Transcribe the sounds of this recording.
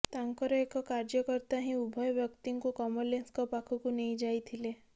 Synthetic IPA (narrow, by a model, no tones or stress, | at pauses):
t̪aŋkɔɾɔekɔkaɾd͡ʒɔkɔɾt̪aɦĩubʱɔjɔbjɔkt̪iŋkukɔmɔlenskɔpakʰukunejd͡ʒajt̪ʰile